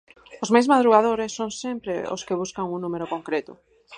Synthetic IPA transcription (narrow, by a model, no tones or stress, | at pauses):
ozmajzmað̞ɾuɣaðoɾesːoŋsempɾeo̰skeβ̞uskaŋuŋnũmeɾokõŋkɾet̪ʊ